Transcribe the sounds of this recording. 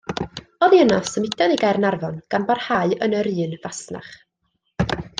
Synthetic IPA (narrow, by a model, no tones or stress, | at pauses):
ɔðiənasəmɪdaðiɡarnarvɔnɡ̥anbarhaɨənəɾɨːnvasna̰χ